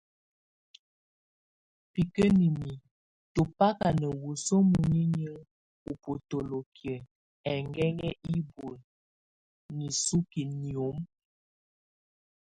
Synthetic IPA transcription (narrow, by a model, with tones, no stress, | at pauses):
pi˨kə˦ni˨mi˨ | to˨pa˦ka˨nə˨wu˨so˦mu˨ɲi˦ɲə˦ŋ | u˨po˨to˨lo˨kʰjə˨ | ɛ˨ŋɡɛ˦ŋɛ˦ʔi˦bo˨l | ni˨su˦ki˨ni˨o˨˦m